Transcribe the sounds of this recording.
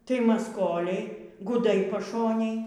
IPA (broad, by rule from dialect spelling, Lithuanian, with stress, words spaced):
tɐɪ mɐsˈkoːlʲɛɪ ɡʊˈdɐɪ pɐˈʃoːnʲeːj